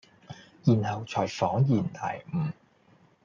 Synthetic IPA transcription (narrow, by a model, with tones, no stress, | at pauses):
jiː˨˩nhɐ˨wt͡ʃʰɔː˨˩jfɔː˨˥ŋjiː˨˩nt̪ʰɐ̰˨˩jm̩˨˩